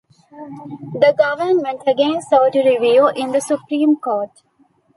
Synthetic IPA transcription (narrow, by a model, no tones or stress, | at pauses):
d̪əɡʌʋəɾnmə̃ɳʈəɡẽnsɔːʈuɾɪʋiːlʔɪ̃nd̪əsʊpɾĩːmkoːʈ